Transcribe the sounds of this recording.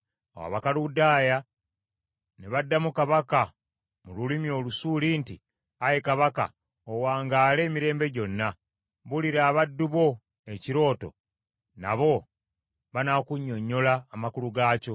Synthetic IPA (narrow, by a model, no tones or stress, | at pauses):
a̰wa̰βakaludaːja | neβadːamukaβaka | mululimjo̞ːlusuːlinti | ajekaβaka̰ | owaːŋɡaːle̞ːmiɾe̞ːmbe̞ɟo̞nːa | βuliɾaːβadːuβo̞ | e̞ciɾo̞ːto̞̰ | na̰βo̞ | βanakuɲːo̞ɲːo̞laːmakuluɡaːco̞